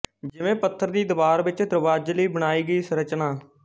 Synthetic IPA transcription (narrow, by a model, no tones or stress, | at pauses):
d͡ʒɪʋẽːpət̪ʰːəɾd̪iːd̪əʋaːɾʋɪt͡ʃd̪ɾəʋaːd͡ʒliːbəɽ̃aːiːɡəiːsəɾət͡ʃnaː